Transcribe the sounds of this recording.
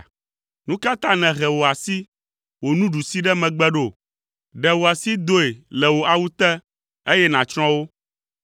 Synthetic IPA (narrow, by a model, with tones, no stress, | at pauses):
nũ˦ka˦t̪ã˦nɛ̃˨ɣɛ˨wo˨a˨si˦ | wo˨nũ˦ɖu˨si˦ɖɛ˦mɛ̃˨ɡ͡bɛ˦ɖo˨ | ɖɛ˨wo˨a˨si˦d̪o˦e˨lɛ˨wo˨a˨wu˦t̪ɛ˦ | e˦jɛ˦nã˨t͡ʃɾ̃ɔ̃˦wo˦